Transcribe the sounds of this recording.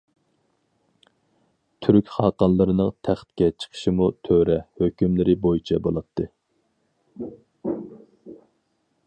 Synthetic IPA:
t̪ʰyɾykʲχɑːqɑnlˠɨɾɨnɨŋt̪ʰæχt̪kʲɛt͡ʃʰə̥qʰə̥ʃimut̪ʰøɾɛhøkʲymlɪɾɪbojit͡ʃʰɛbolˠɑt̪ʰːɨ

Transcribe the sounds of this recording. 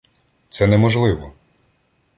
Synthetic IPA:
t̪sɛnɛmɔʒlˠɪʋɔ

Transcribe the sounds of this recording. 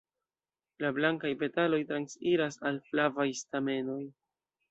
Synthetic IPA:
lablaŋkajpe̞talo̞jtɾansiɾasalflavajstame̞no̞j

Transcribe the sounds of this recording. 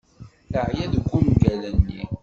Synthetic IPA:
θəʕjæðəɡʷːumɡælənːḭ

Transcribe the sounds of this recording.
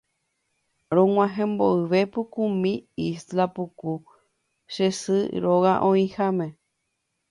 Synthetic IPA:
ɾõŋ̃ʷãɦẽmboɨʋepukumĩislapuku | ʃesɨ̰ɾoɣaʔõĩhamẽ

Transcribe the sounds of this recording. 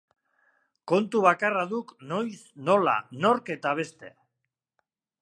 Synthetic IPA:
ko̞nt̪uβ̞akaraðukno̞jsno̞la̰no̞ɾke̞t̪aβ̞e̞st̪e̞̰

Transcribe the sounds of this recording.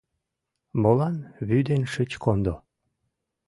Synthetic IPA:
molɑnβyd̪enʃət͡ɕkʰond̪o

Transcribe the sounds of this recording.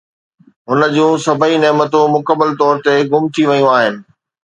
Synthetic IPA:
ɦʊnə̆d͡ʑũːsɐbʱəinɛːmət̪ũmʊkəbəlt̪ɔːɾt̪eɡʊmt̪ʰiʋɐjũaːɦɪnɪ̆

